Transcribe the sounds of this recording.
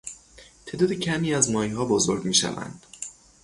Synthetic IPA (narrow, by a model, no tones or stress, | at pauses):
t̪ʰe̞ːd̪ɒːd̪ecʰæmiːæzmɒːiɦɒːbozoɾɡmiːʃæ̰væ̰nd̪̥